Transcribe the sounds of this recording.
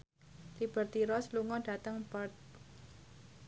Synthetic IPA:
lib̥ə̤rt̪iɾɔsluŋɔɖ̥a̤t̪əŋbar̚

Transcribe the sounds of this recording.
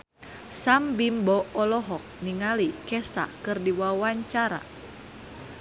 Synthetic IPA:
sambimbɔɔlɔɦɔk̚niŋalikɛsa̰kɨrdiwawaɲt͡ʃaɾa̰

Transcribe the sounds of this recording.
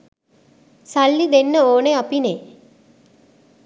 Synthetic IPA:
salːid̪enːəoːneapine

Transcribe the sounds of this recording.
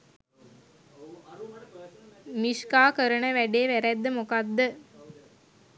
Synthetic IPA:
miʂkaːkəɾəɳəʋæɖeːʋæɾæd̪ːəmukad̪ːə

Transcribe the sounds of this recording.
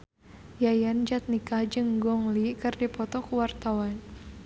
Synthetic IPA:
jajand͡ʒat̪̚nikahd͡ʒɨŋɡɔŋlikɨrdipɔt̪ɔkuwart̪awan

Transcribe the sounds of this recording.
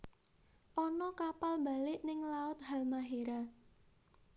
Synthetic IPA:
ʔɔnɔkapalba̤lɪʔnɪŋlaʊt̪̚halmaɦeɾa

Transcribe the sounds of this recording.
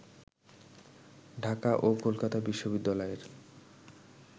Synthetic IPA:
ɖʱakaʔokolkat̪abiʃːobid̪ːalɔeɾ

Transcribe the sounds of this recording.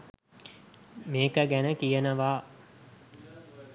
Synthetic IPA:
meːkəɡænəkijənəʋaː

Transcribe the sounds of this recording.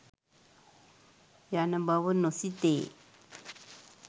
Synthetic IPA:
janəmbawonosit̪e

